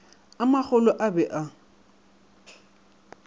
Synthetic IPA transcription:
amaχʊlɔʔabɛʔa

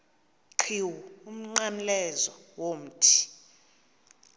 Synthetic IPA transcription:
ǃʰiwuum̩ŋ͡ǀanlɛzɔwom̩tʰi̥

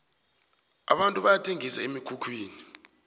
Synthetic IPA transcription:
a̰ɓantʼuɓajatʰʼeŋisaemiɡ̥ʰukʰwiːni

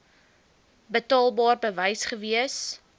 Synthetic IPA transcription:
bətɑːlˠbɑːrbəvəjsχəviəs

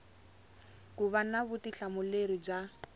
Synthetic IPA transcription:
kuβanaβʊtiɬamʊleɾib͡ʐa

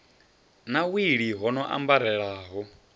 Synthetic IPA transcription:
nawiɺiɦɔnɔʔa̰mbaɾɛɺaːɦɔ

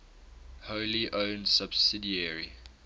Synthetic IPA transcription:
holiʔõʊnsab̥sɪdiəɹḭ

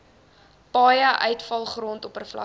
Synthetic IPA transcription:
pɑːjəʔœɥtfɐlˠχrɔntɔpərflɐ̰

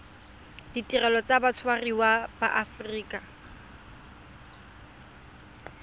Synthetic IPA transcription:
d̥itʼirɛlɔt͡sabat͡sʰwariwaba̰ʔafriːkʼa

